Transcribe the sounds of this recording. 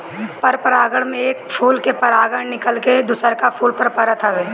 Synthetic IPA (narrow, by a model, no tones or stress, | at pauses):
pəɾpəɾaːɡəɽ̃mẽeːkpʰuːlkepɐɾaːɡəɽ̃nɪkəlked̪ʊsəɾkapʰuːlpəɾpɐɾət̪ʰəʋeː